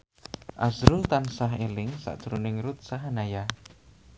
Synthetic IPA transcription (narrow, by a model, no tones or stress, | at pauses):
ʔazɾult̪ansaɦelɪŋsa̰ʔd̥ʒ̥ɾunɪŋɾut̪̚saɦanaja